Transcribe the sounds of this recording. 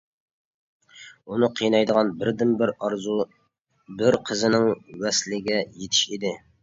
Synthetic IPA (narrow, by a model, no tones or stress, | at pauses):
unɨqʰijnɑjd̪əʁɑnbɪɾd̪ɪmbɪɾɑɾzu | bɪɾqʰəzɪnɪŋwɛslɪɡʲɛjet̪ʰɪ̥ʃid̪ɪ